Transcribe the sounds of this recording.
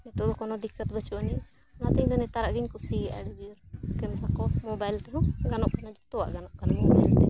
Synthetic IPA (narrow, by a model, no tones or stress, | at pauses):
nɛt̪ɔɔkɔnɔd̪ikːət̪̚bət͡ʃuanɛ | lat̪əɲd̪ɔnɛt̪aɾaʔɡəɲkusiɡʔa̰ɡɛd͡ʒujuɾkɛmɛɦakɔmɔbajlt̪ɛɦũɡanɔʔkanad͡ʒɔt̪ɔwa̰ʔɡanɔʔkanamɔbajlt̪ɛ